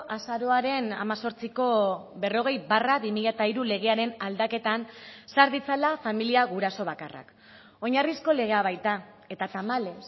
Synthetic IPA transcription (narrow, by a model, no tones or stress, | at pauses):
ʔasaɾo̞aɾe̞na̰maso̞ɾt͡siko̞βe̞ro̞ɣ̞e̞jbaraβimiʎat̪aiɾule̞ɣ̞e̞aɾe̞nald̪ake̞t̪ansaɾðit͡salafamiliaɣuɾaso̞βakara̰k | o̞ɲarisko̞le̞ɣ̞e̞aβ̞ajt̪ae̞t̪at̪amale̞s